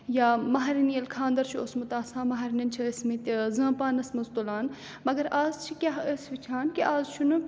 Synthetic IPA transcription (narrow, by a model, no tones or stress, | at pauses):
jaːmɐɦɾinijɐlkʰãːnd̪ɐɾt͡ʃʰiosmut̪aːsaːmɐɦɐɾinɐnt͡ʃʰiɐsmĩt̪zɐ̃ːpaːnɐsmɐzt̪olaːn | mɐɡɐɾʔaːzt͡ʃʰikʲaɦəsʋit͡ʃʰaːnkiʔaːzt͡ʃʰunu